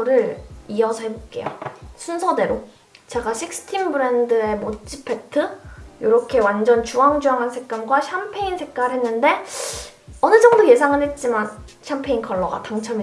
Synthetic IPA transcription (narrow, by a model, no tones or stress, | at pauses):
ɾɯɾiʌsʰʌɦe̞bok͈e̞jo̰sʰunsʰʌde̞ɾo | t͡ɕe̞ɡaɕʰik̚s͈ʰɯ̥tʰimbɯɾe̞ndɯe̞mot͡ɕ͈ipʰe̞tʰɯjoɾʌkʰe̞wand͡ʑʌnt͡ɕuɦaŋd͡ʑuɦaŋɦansʰe̞k̚k͈anɡwaɕʰjampʰe̞insʰe̞k̚k͈aɭɦe̞nːɯnde̞ | ʌnɯd͡ʑʌŋdoje̞sʰaŋɯnɦe̞t̚t͡ɕ͈imanɕʰampʰe̞inkʰʌɭːʌɡa̰taŋt͡ɕʰʌmi